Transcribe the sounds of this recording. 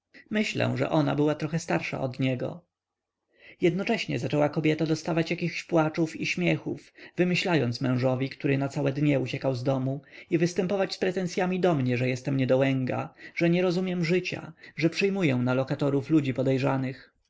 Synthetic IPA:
mɘɕlɛ̰w̃ʐɛ̰ʔɔna̰bɘwat̪ɾɔxɛst̪aɾʂa̰ʔɔd̪ɲɛɡɔ̰ | jɛd̪nɔt͡ʂɛɕɲɛ̰zat͡ʂɛwakɔbʲjɛt̪ad̪ɔst̪avat͡ɕjakʲixɕpwat͡ʂufiɕmʲjɛxufvɘmɘɕlajɔnt̪smɛ̃w̃ʐɔvʲikt̪uɾɘnat̪sawɛd̪ɲɛut͡ɕɛkawzd̪ɔmuivɘst̪ɛmpɔvat͡ɕspɾɛt̪ɛnsʲjamʲid̪ɔmɲɛʐɛjɛst̪ɛmɲɛd̪ɔwɛŋɡa̰ʐ̥ɛɲɛɾɔzumʲjɛmʐɘt͡ɕa̰ʐɛpʂɘjmujɛw̃nalɔkat̪ɔɾuflud͡ʑipɔd̪ɛjʐanɘx

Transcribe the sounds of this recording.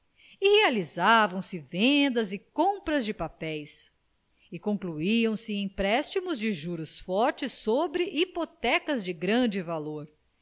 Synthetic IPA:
ihealizavɐ̃w̃sɪvẽd̪ɐzɪkõpɾɐzd͡ʒɪpapɛjs | ɪkõkluiɐ̃w̃sɪẽj̃pɾɛst͡ʃimʊzd͡ʒɪʒuɾʊsfɔɾt͡ʃɪsːobɾɪʔipot̪ɛkɐzd͡ʒɪɡɾɐ̃d͡ʒɪvaloɾ

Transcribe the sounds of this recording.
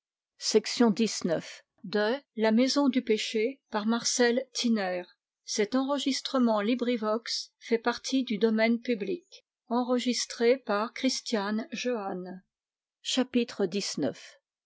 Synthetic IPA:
sɛksjɔ̃d̪isnœf | d̪əlamezɔ̃d̪ypeʃepaʁmaʁsɛlt̪ʰinɛːʁ | sɛt̪ɑ̃ʁəʒist̪χəmɑ̃libʁivɔksfɛpaʁt̪ʰid̪yd̪ɔmɛnpyblik | ɑ̃ʁəʒist̪χepaʁkχist̪janʒoan | ʃapit̪χəd̪isnœf

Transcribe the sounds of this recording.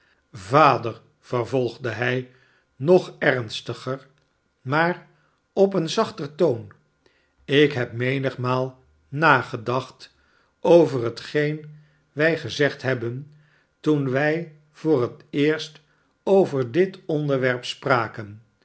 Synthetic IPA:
vaːdəɹ | v̥əɹvɔlˠχdəɦɛj | nɔχɛɹnstəχəɹ | maːr | ɔpənzɑχtərtown | ɪkɦɛp̚mejnəχmaːlˠ | naːχədɑχt | ʔowvərɦətχejn | ʋɛjχəzɛχtɦɛbən | tunʋɛj | v̥ʊːrətɪːɹst | owvəɹdɪtɔndəɹʋɛɹpspraːkən

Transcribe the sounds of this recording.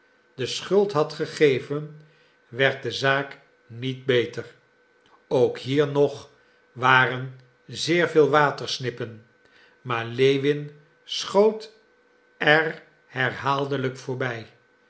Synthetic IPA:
dəsχɵlˠtɦɑtχəχejvən | ʋɛɹt̚dəzaːk | nid̚bejtər | owkɦiːɹnɔχ | ʋaːrən | zɪːɹvɪːlˠʋaːtəɹsnɪpən | maːɹlejʋɪn | sχowt | ɛr | hɛɹɦaːlˠdələkfʊːɹbɛj

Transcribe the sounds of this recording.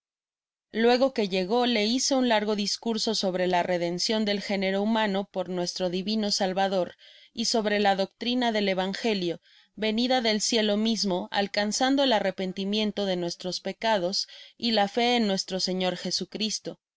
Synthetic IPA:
lwe̞ɣo̞ke̞ʝe̞ɣo̞le̞ise̞unlaɾɣo̞ðiskuɾso̞so̞βɾe̞lare̞ðe̞nsjo̞nd̪e̞lxe̞ne̞ɾo̞umãno̞po̞ɾnwe̞st̪ɾo̞ðiβino̞salβaðo̞ɾiso̞βɾe̞laðo̞k̚t̪ɾinaðe̞le̞βaŋxe̞ljo̞ | βe̞niðaðe̞lsje̞lo̞mizmo̞a̰lkansand̪o̞e̞lare̞pe̞nt̪imjẽ̞nt̪o̞ðe̞nwe̞st̪ɾo̞spe̞kað̞o̞silafe̞ːnːwe̞st̪ɾo̞se̞ɲo̞ɾxe̞sukɾist̪o̞

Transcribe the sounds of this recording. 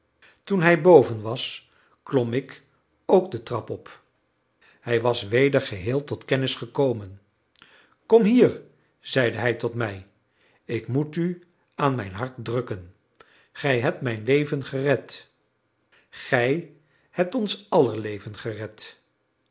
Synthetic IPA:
tunɦɛjbowvənʋɑs | klɔmɪk | owkdətrɑpɔp | hɛjʋɑsʋejdəɹχəɦɪːlˠtɔtkɛnɪsχəkowmən | kɔmɦiːɹ | z̥ɛjdəɦɛjtɔtmɛj | ɪkmuty | aːnmɛjnɦɑɹtdrɵkən | χɛjɦɛp̚tmɛjnlejvənχərɛt | χɛj | hɛp̚tɔnsɑləɹlejvənχərɛt

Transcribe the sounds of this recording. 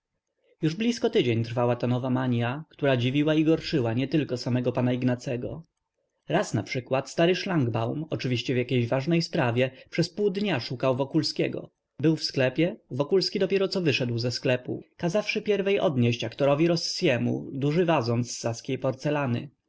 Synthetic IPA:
juʐblʲiskɔt̪ɘd͡ʑeɲt̪ɾfawat̪anɔvamaɲjakt̪uɾad͡ʑivʲiwaiɡɔɾt͡ʂɘwaɲɛt̪ɘlkɔsamɛɡɔpanaiɡnat̪sɛɡɔ̰ | ɾasnapʂɘkwat̪st̪aɾɘʂlaŋɡbawmɔt͡ʂɘvʲiɕt͡ɕɛvjakʲejʑvaʐnɛjspɾavʲjɛpʂɛspuwd̪ɲaʂukawvɔkulskʲɛɡɔ̰ | bɘwfsklɛpʲjɛvɔkulskʲid̪ɔpʲjɛɾɔt̪sɔvɘʂɛd̪wzɛsklɛpṵkazafʂɘpʲjɛɾvɛjʔɔ̰d̪ɲeɕt͡ɕakt̪ɔɾɔvʲiɾɔsːjɛmṵd̪uʐɘvazɔnt̪sːaskʲejpɔɾt̪sɛlanɘ̰

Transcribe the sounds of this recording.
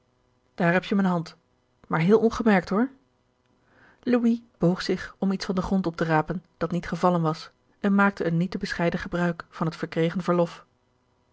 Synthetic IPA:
d̥aːɹɦɛpjəmənɦɑnt | maːɹɦɪːlˠʔɔnχəmɛɹk̚tɦʊɹ | luib̥owχsɪχɔmitsfɑndəχrɔntɔp̚təraːpənd̥ɑtnitχəvɑlənʋɑs | ʔɛnmaːk̚təːnːitəbəsχɛjdəχəbrœɥkfɑnɦətfəɹkrejχənvəɹlɔf

